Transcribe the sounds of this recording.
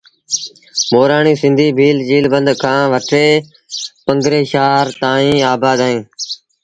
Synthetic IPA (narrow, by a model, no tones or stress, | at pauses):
moːɾaːɳiːsɪ̃nd̪ʱiːbʱiːld͡ʒiːlbə̃nd̪kʰãːʋəʈʰeː | pəŋɡɾeːʃaːɾt̪aːĩːaːbaːd̪aːɦĩː